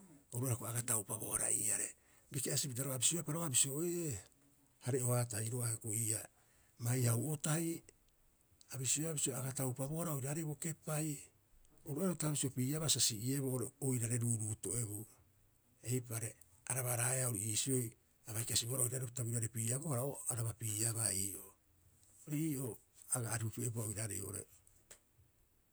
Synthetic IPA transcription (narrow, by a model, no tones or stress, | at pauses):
oɾuaɾakoaɡatawpabo̞̰a̰ɾa̰ḭːaɾe | bikeasipitaɾoabisioapaɾoabisio̞e | haɾeo̞hat̬ajɾoahekoiːa | majhawotaj | abisioabisioaɡatawpaβo̞ɾaojɾaːɾebo̞ke̞paj | oɾuaɾotaβisio̞piːaβasasiʔie̞βooɾeojɾaɾe̞ɾuːɾuto̞e̞βo | e̞jp̬aɾe̞ | aɾaβaɾaeao̞ɾiiːsio̞j | aβajkasiβoaɾaojɾaɾetaβiɾaɾepiːaβohaɾaoaɾaβapiːaβaiːʔo̞ | oɾiiːʔo̞ | aɡaːɾiupiebuaojɾaɾḛjoo̰ɾḛ